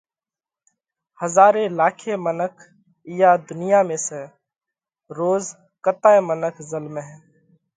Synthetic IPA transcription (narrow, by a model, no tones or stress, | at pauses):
həzaːɾẽːlaːkʰeːmənəkʰ | ɪjaːd̪ʊnɪjaːmẽːsə | ɾoːz | kət̪aːẽmənəkʰzəlmeɦɛː